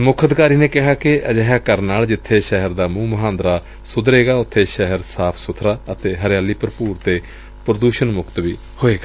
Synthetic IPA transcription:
mʊkʰəd̪kaːɾiːneːkɪɦaːkɪʔəd͡ʒɛɦaːkəɾnaːld͡ʒɪt̪ʰːeːʃɛɦəɾd̪aːmũːməɦãːnd̪ɾaː | sʊd̪ɾeːɡaːʊt̪ʰːeːʃɛɦəɾsaːpʰsʊt̪ʰɾaːət̪eːɦəɾjaːliːpəɾpuːɾt̪eː | pɾəd̪uːʃənmʊkt̪ʋiː | hoːeːɡaː

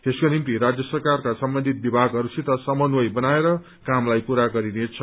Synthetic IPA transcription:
t̪eskonimt̪iɾad͡zjʌsʌrkarkasʌmbʌnd̪ʱit̪̚bibʱaɡɦʌɾusit̪ʌsʌmʌnwʌjbʌnaeɾʌ | kamlajpuɾaɡʌɾinet͡sʰʌ

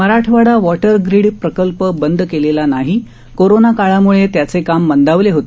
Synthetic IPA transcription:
məɾaʈʰʋaɽaʋɔʈəɾɡɾiɽpɾəkəlpəbənd̪ʱkelelanaɦiː | koɾonakaɭamuɭet̪jat͡sekamːənd̪aʋleɦot̪

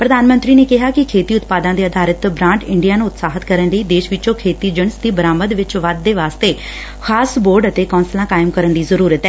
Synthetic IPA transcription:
pɾəd̪aːnmə̃nt̪ɾiːneːkɪɦaːkɪkʰeːt̪iːʊt̪paːd̪ãːd̪eːəd̪ʱaːɾət̪bɾãːɳʈɪɳɖijaːnũːʊt̪saːɦət̪kəɾənləiːd̪eːʃʋɪt͡ʃõːkʰeːt̪iːd͡ʒəɳsd̪iːbəɾaːməd̪ʋɪt͡ʃʋəd̪ːeːʋaːst̪eː | xʰaːsboːɾɖət̪eːkɔ̃ːnsəlãːkaːɪmkəɾənd̪iːzəɾuːɾət̪ɛː

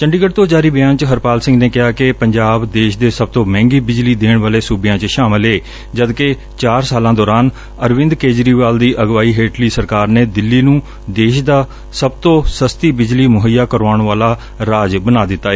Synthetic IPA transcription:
t͡ʃəɳɖiːɡəʈ̚t̪oːd͡ʒaːɾiːbɪãːnt͡ʃɦəɾpaːlsɪ̃ŋɡneːkɪɦaːkɪpəɲd͡ʒaːbd̪eːʃd̪eːsəb̚t̪õːmɛ̃ːŋɡiːbɪd͡ʒliːd̪eːɳʋaːleːsuːbɪjãːt͡ʃʃaːmɪleː | d͡ʒəd̪ke | t͡ʃaːɾsaːlãːd̪ɔːɾaːn | əɾʋɪ̃nd̪keːd͡ʒɾiːʋaːld̪iːʔəɡʋaːiːɦeːʈliːsəɾkaːɾneːd̪ɪlːiːnũː | d̪eːʃd̪aː | səbt̪õːsəst̪iːbɪd͡ʒliːmʊɦəjːaːkəɾʋaːɳ̃ʋaːlaː | ɾaːd͡ʒbənaːd̪ɪt̪ːaːeː

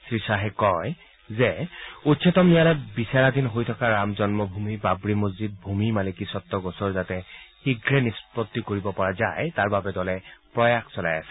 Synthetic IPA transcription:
sɹisaɦɛkɔj | zɛutsʰɔtɔmnialɔtbisaɹadinɦojtʰɔkaɹamzɔnmɔbʱumibabɹimozzid̚bʱumimalikisɔtːɔɡɔsɔɹzatɛxiɡɹɛnispɔtːikoɹibɔpɔɹaza̰jtaɹbabɛdɔlɛpɹɔjaxsɔla̰ja̰sɛ̥

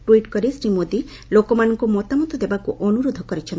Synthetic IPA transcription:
ʈuiʈkɔɾesɾimod̪i | lokomanɔŋkumɔt̪amɔt̪ɔd̪ebakuʔɔnuɾod̪ʱɔkɔɾit͡ʃʰen

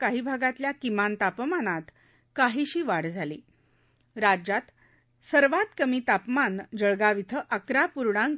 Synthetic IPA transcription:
kaɦiːbʱaɡat̪ljakimant̪apmanat̪ | kaɦiɕiːʋaɽd͡zʱalḭː | ɾad͡ʑat̪ | səɾʋat̪kəmiːt̪apmand͡ʑəɭɡaʋit̪ʰəʔəkɾapuɾɽãŋ

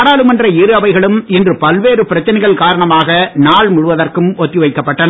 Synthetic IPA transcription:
ɽaːlɯmɐndrɐɪɾɯɐʋɐɪɣɐɭɯmɪndrɯpɐlʋeːɾɯpɪɾɐt͡ʃːɐnɐɪɣɐɭkaːɾɐɳɐmaːɣɐnaːɭmʊɻɯʋɐðɐrkɯmɔt̪ːiʋɐɪkːɐpːɐʈːɐn

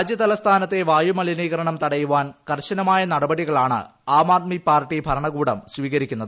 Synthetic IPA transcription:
d͡ʑjɐt̪ɐlɐst̪ʰaːnɐt̪ːe̞ʋaːjumɐɭiniːɣɐɾɐɳɐmt̪ɐɽɐjuʋaːnkɐrɕɐnɐmaːjɐnɐɽɐbɐɽiɣɐɭaːɳɨ̰ | aːmaːt̪̚mipaːrʈːibʱɐɾɐɳɐɣuːɽɐmsʋiːɣɐɾikʲːunːɐðɨ

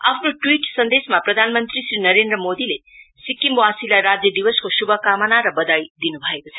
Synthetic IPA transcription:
apʰnoʈwiʈsʌnd̪esmaprʌd̪ʱanmʌnt̪risrinʌɾend̪rʌmod̪ile | sikːimwasilajɾad͡zjʌd̪ibʌskosubʱʌkamʌnaɾʌbʌd̪ajd̪inubʱʌekot͡sʰʌ

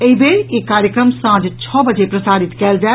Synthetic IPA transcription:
eɦibeːɾjekaːɾjəkɾəmsãːd͡ʒt͡ʃʰɔːbɐd͡ʒepɾɐsaːɾɪt̪kɛːld͡ʒa

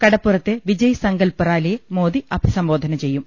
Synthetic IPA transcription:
kɐɽɐpːurɐt̪ːeʋid͡ʑɐjɐsɐŋɡɐlpɐraːlejemoːd̪iʔɐbʱisɐmbo̞ːd̪ʱɐnɐt͡ɕe̞jːum

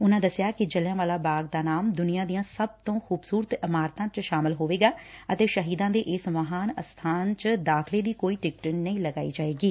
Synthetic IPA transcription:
ʊnãːd̪əsɪjaːkɪd͡ʒəljãːʋaːlaːbaːɡ̚d̪aːnaːmd̪ʊnijãːd̪ijãːsəb̚t̪õːxuːbsuːɾət̪əmaːɾt̪ãːt͡ʃʃaːmɪlɦoːʋeːɡaːət̪eːʃəɦiːd̪ãːd̪eːʔɪsməɦaːnəst̪ʰaːnt͡ʃd̪aːkʰleːd̪iːkoːiːʈɪk̚ʈənnəĩːləɡaːḭːd͡ʒaːeːɡiː

